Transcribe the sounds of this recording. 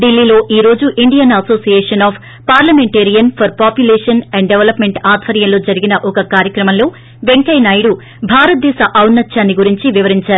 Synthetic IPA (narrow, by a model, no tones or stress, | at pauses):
ɖilːiːlo̞ːʔiːɾo̞ːd͡ʒuʔiɳɖijɐnɐso̞ːsijeːʂɐnaːpʰ | paːɾlɐmeɳʈeːɾijɐnpʰɐɾpaːpjuleːʂɐnɛɳɖɖeʋɐlɐpme̞ɳʈaːd̪ʱʋɐɾjɐnlo̞ːd͡ʒɐɾiɡinɐʔɔkɐkaːɾjɐkɾɐmɐmlo̞ː | ʋeŋkɐjnaːjɽu | bʱaːɾɐt̪̚d̪ɛːsɐʔɐwnːɐt͡ʃʃaːnːiɡuɾiɲt͡ʃiʋiʋɐɾiɲt͡ʃaːɾuu